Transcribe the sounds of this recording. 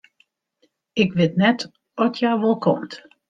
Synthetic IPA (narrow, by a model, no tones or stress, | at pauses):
ɪkʋɪtnɛt | ɔtʰjajʋɔlˠkʰɔmt